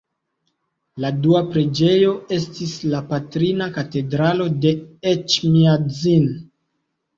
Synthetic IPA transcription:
laduapɾe̞d͡ʒe̞jo̞e̞stislapatɾinakate̞dɾalo̞de̞et͡ʃmiad͡zin

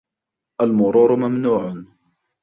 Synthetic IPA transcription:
ʔalmʊɾuːɾʊmamnuːʕʊ

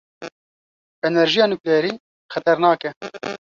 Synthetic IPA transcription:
ɛnɛɾʒijɑːnukɛːɾiː | xɛt̪ɛɾnɑːkɛ

